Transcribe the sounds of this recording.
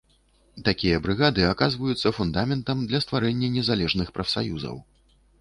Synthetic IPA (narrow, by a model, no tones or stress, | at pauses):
t̪akʲijɐbɾɨɣad̪ɨakazvɐjut̪sːɐfund̪amʲɛnt̪ɐmd̪lʲɐst̪vaɾɛnʲːɐnʲɛzalʲɛʐnɨxpɾɐfsa̰juzɐ̰w